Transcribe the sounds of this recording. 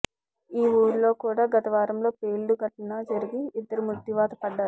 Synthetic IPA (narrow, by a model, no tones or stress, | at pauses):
iːuːɾulo̞ːkuːɽaːɡɐt̪ɐʋaːɾɐmlo̞ːpeːɭːuɡɐʈːunɐd͡ʒɐɾiɡiːd̪ːɐɾumut̪ːiʋaːt̪ɐpɐɖːaːɾu